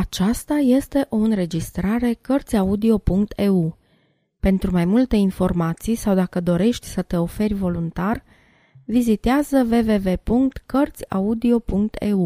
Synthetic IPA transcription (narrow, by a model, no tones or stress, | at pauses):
at͡ʃast̪aje̞st̪e̞ʔo̞ɨnɾe̞d͡ʒist̪ɾaɾe̞kərt̪sʲaud̪io̞puŋkt̪ʰeu | pe̞nt̪ɾumajmult̪e̞info̞rmat̪sijsawd̪akəd̪o̞ɾe̞ʃt̪ʲsət̪e̞o̞fe̞rʲvo̞lunt̪ar | vizit̪eazəve̞ve̞ve̞puŋk̚t̪kərt̪sʲa̰ud̪io̞puŋk̚t̪e̞̰u